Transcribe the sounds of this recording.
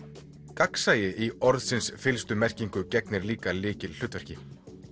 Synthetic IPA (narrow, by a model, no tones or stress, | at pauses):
kaksaːjɪʔiɔɾðsɪnsfɪlst̪ʏmɛr̥ciŋkʏcɛknɪɾliːkalɪːcɪll̥ʏːt̪vɛɾ̥cɪ